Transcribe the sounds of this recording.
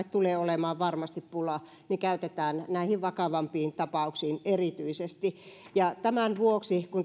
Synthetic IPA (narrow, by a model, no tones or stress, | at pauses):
et̪t̪uleːolemɑːʋʋɑrmɑst̪ippulɑ | nikæyt̪et̪æːnnæˑihiʋʋɑkɑʋɑmpiːnt̪ɑpɑuksiːnerit̪yisest̪ijɑt̪æmænʋuoksikun